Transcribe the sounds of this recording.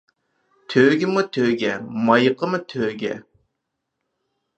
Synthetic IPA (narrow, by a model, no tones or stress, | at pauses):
t̪ʰøːɡʲɪmut̪ʰøːɡʲɛmɑjqʰəmɨt̪ʰøːɡʲɛ̰